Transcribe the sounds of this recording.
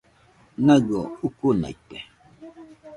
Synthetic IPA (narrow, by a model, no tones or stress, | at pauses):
naɡɔukuna̰itɛ